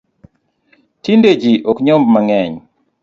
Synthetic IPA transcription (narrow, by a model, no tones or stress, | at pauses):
tinded͡ʒiʔɔkɲɔmbmaŋɛɲ